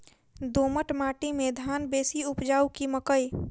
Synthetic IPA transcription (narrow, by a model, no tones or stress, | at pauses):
d̪oːməʈmaːʈimẽd̪ʱaːnbeːsiʊpd͡ʒaːukiməkəj